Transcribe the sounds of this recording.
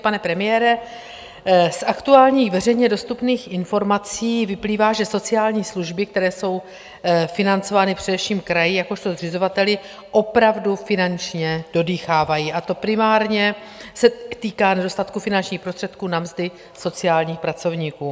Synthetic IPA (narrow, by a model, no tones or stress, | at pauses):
panɛpɾɛmɪjɛːɾɛ | sʔakt̪uaːlɲiːxvɛr̝ɛjɲɛdo̞st̪upniːxʔɪnfo̞ɾmat͡siːvɪpliːvaːʒɛso̞t͡sɪaːlɲiːsluʒbɪkt̪ɛɾɛːso̞w | fɪnant͡so̞vaːnɪpr̥ɛdɛfʃiːmkɾajɪjako̞ʃt̪o̞zr̝ɪzo̞vat̪ɛlɪ | ʔo̞pɾavdufɪnant͡ʃɲɛd̥o̞diːxaːvajiʔat̪o̞pɾɪmaːɾɲɛ | sɛt̪iːkaːnɛdo̞st̪at̪kufɪnant͡ʃɲiːxpɾost̪r̥ɛt̪kuːnamzdɪ | so̞t͡sɪaːlɲiːxpɾat͡so̞vɲiːkuː